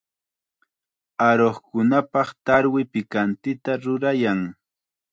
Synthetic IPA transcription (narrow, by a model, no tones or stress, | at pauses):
aɾoχkʊnapɑχt̪aɾwɪpɪkant̪ɪt̪aɾʊɾajaŋ